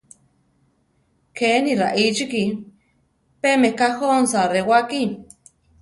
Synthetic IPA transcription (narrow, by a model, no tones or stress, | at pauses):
kʰeniɾaʔit͡ʃiki | pemekahonsarewaki